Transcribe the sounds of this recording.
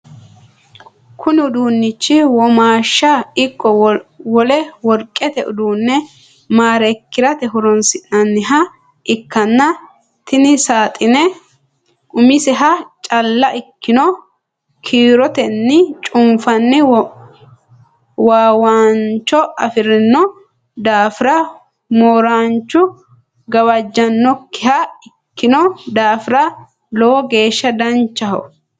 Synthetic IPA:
kʰʊnɪʊd̪uːnːɪt͡ʃːɪwɔmaːʃːɐɪkːɔwɔlɛwɔɾkʼːɛt̪ɛʔʊ̰d̪uːnːɛ | maːɾɛkːɪɾɐt̪ɛɦʊɾɔnsɪnːɐnːɪɦɐ | ʔɪkːɐnːɐ | t̪ɪnɪsaːt̪ʼɪnɛ | ʔʊmɪsɛɦɐt͡ʃʼɐlːɐʔɪkːɪnɔ | kʰiːɾɔt̪ɛnːɪt͡ʃʼʊmfɐnːɪ | waːwaːnt͡ʃːɔɐfɪɾɪnːɔ | d̪aːfɪɾɐ | moːɾaːnt͡ʃːʊ | ɡɐwɐd͡ʒːɐnːɔkːɪhɐɪkːɪnɔd̪aːfɪɾɐ | lɔːɔɡe̞ːʃːɐd̪ɐnt͡ʃːɐɦɔ̰

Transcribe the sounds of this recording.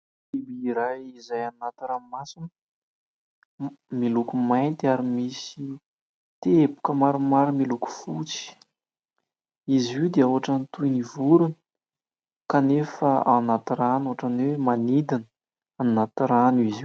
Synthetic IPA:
ibiiɾajizajanat̪iɾamasinə | milukumajnt̪iaɾimisi | t̪epu̥kəmaɾumaɾəmiluku̥fut͡si̥ | izid̪eawaʈ͡ʂanit̪ujnivuɾunə̥ | kanefəanat̪iɾanoaʈ͡ʂanwemanid̪inə | anːat̪iɾanizi

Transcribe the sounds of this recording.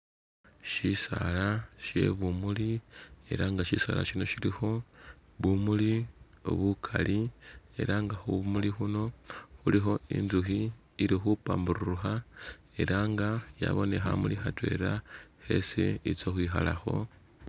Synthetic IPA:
ʃisalaʃe̞βumulie̞̰ɾaŋɡaʃisa̰la̰ʃino̞ʃilixo̞βumuli | o̰βukʰalie̞̰ɾaŋɡaxuβumulixuno̞xulixo̞ḭnzuxiː | ɾixupaːmbuɾuuxa | e̞ɾaŋɡaja̰βo̞ne̞xamulixatwe̞̰ɾaxe̞siit͡soxwiːxalaxo̞

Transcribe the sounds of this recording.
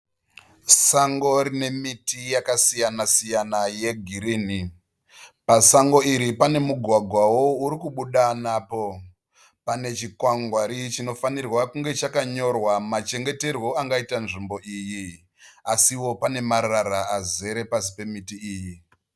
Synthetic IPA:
saŋɡo̞ɾine̞mitijakasijanasijanaje̞ɡʱiɾiːni | pasaŋɡo̞iɾipane̞muɡʱwaɡʱwawo̞uɾikuɓuɗanaːpo̞ | pane̞t͡ʃikwaŋɡwaɾit͡ʃino̞fanirwakuŋɡe̞t͡ʃakaɲo̞rwamat͡ʃe̞ŋɡe̞te̞rwo̞aŋɡaitanʐimbo̞ʔiːji | asiwo̞pane̞maɾaɾaʔaze̞ɾe̞pasi̥pe̞mitiiːji

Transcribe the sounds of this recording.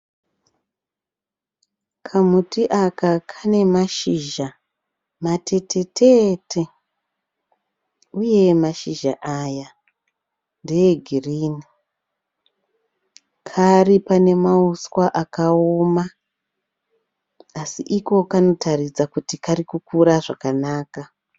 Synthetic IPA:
kʰamutiʔakakʰane̞maʃiːʒa | matʰe̞te̞tʰe̞tʰe̞ | uje̞maʃiʒa̰ʔaːja | ndejeɡʱiriːni | kʰaripane̞mauswaʔakaoma | asiʔiko̞kano̞tʰarid͡zakutikarikukuɾaʐakanaːka

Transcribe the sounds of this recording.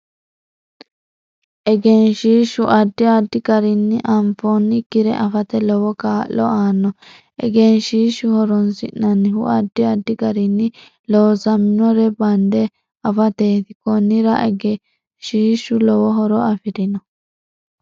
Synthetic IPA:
ʔɛɡɛnʃiːʃʊʔɐd̪ːɪɐd̪ːɪɡɐɾɪnːɪʔɐmfɔnːɪkːɪɾɛʔɐfɐt̪ɛlɔwɔkaːlɔaːnːɔ | ʔɛ̰ɡɛnʃiːʃʊhɔɾɔnsɪ̰nːɐnːɪhʊ̰ʔɐd̪ːɪɐd̪ːɪɡɐɾɪnːɪ | loːsɐmɪnɔɾɛbɐnd̪ɛ | ɐfɐt̪eːt̪ɪkɔnːɪɾɐʔɛɡɛ | ʃiːʃʊlɔwɔɦɔɾɔɐfɪɾɪnɔ

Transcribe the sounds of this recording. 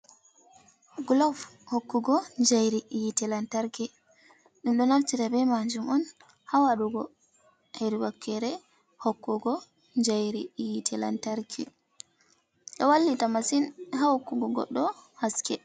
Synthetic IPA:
ɡlɔfhokːuɡɔnd͡ʒajɾiʔijitɛlantaɾki | ɗunɗɔnaftitabɛmaɲd͡ʒumɔn | hawaɗuɡɔ | heɾiwakʰːɛɾɛ | hokːuɡɔ | ɲd͡ʒajɾijitʰɛla̰ntaɾkʰḭ | ɗɔwalːitamasinɦahokːuɡɔɡɔ̰ɗːɔhaskɛ

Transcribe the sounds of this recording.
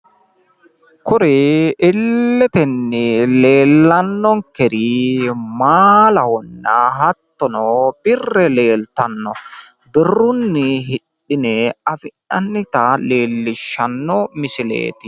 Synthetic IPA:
kʊɾɛɪlːɛt̪ɛnːɪle̞ːlːɐnːɔŋkɛɾimaːlɐhɔnːɐɦɐt̪ːɔnɔb̥ɪrːɛle̞ːlt̪ɐnːɔ | d̪ɪrːʊnːɪɦɪᶑ | ɪnɛɐfɪᶑɐnːɪt̪ɐleːlːɪʃːɐnːɔmɪsɪlḛːt̪ɪ

